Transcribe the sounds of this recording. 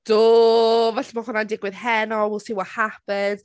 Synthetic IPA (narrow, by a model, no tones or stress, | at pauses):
d̥oːvɛɬmahʊnandɪɡwɪðhɛnɔwɪlˠsiwahapɛð